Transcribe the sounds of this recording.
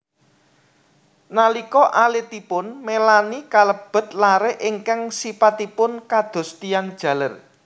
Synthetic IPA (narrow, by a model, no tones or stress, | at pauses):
nalikɔʔalet̪ipʊnmelanikaləb̥ə̤t̪̚laɾeʔɪŋkaŋsipat̪ipʊnkad̪̥o̤st̪ijand̥ʒ̥ä̤lər